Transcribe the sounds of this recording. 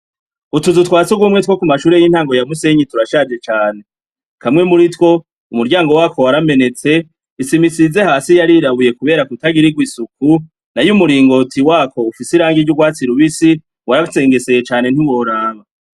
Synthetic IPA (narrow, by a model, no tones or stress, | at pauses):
utuzutkwaːt͡suɡumŋetwokumaʃuːɾejin̥haːŋɡo̞jamuse̞ɲituɾaʃavje̞t͡ʃaːne̞ | kamŋe̞muɾitwo̞ | umuɾɟaːŋɡo̞waːko̞waɾame̞ne̞t͡se̞ | isimisize̞haːsijaɾiɾaβuje̞kuβe̞ːɾakutaɡiɾiɡwiːsuku | najumuɾiːŋɡo̞tʰiwaːko̞ufisiɾaːŋɡiɾɟuɡwaːt͡siɾuβisi | wʔaɾase̞ːŋɡe̞se̞jet͡ʃaːne̞n̥hiwo̞ɾaːβa